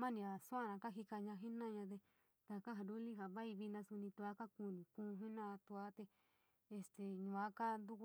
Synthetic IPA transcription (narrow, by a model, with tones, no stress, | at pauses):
mã˦nĩ˧ã˨su˦ã˧˨nã˧ka˦ɦi˧ka˧ɲã˧ɦi˦nã˦˧ɲã˧t̪̬e˧ | t̪a˧ka˦ɦã˧˨ɾu˦li˦ɦa˨βa˦i˧βi˧nã˧su˧nĩ˧t̪u˧a˦ka˦ku˧˨nĩ˨kũː˧ɦi˦nã˧t̪u˧a˧˦t̪e˧ | e˧st̪e˨ɲũ˨˧˨ã˦ka˦nd̪u˦˧k